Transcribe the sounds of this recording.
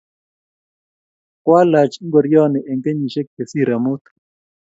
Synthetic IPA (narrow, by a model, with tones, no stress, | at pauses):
kwa˦la˨t͡ʃi˦ŋɡo˨ɾjɔ˦nɛ˨ʔe˨ŋke˦ɲi˨ʃɛ˦k̚ːe˨si˦˨ɾa˨mo˦t̪